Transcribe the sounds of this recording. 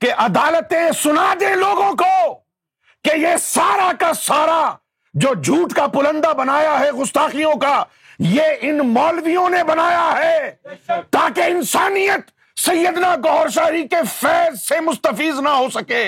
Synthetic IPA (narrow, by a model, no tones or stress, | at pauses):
keʔɐd̪aːlət̪ẽsʊnad͡ʒ̪eloːɡõko | kejesaːɾakasaːɾa | d͡ʒoːd͡ʒʱuːʈkapʊlə̃nd̪abɐnaːjaɦɛɣʊst̪aːqijõka | jeʔɪnmɔːlʋijõnebɐnaːjaɦɛː | t̪aːkeɪnsaːnijət̪ | sɐjːəd̪naɡɔɦɾʃ̬aːɾikefɛːzsemʊst̪əfiːznaɦoːsɐkeː